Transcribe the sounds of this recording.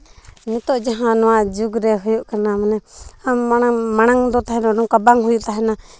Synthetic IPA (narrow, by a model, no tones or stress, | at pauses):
mit̪ɔʔd͡ʒaɦãnɔwaʔd͡ʒuɡɾɛɦujuʔkanamanɛamːanamaɽ̃aŋd̪ɔt̪aɦɛnɔnɔŋkabaŋɦujuʔt̪aɦɛna